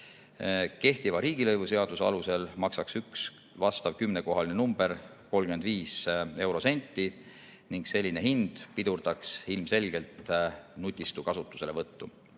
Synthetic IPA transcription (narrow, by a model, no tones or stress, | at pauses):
ke̞ht̪ivɑɾiːɡ̥ilɤjvuse̞ɑd̪̥usɑluse̞lmɑksɑksyks | vɑst̪ɑvkymne̞ko̞ɦɑline̞numb̥e̞ɾ | ko̞lɡ̥ymend̪viːse̞wɾo̞se̞nʲt̪ːˑi | niŋɡ̥se̞lʲːine̞ɦind̪̥pid̪urd̪̥ɑksilmse̞lʲɡ̥e̞lt̪nut̪ʲːˑist̪ukɑsut̪ːˑu̥se̞levɤt̪ːu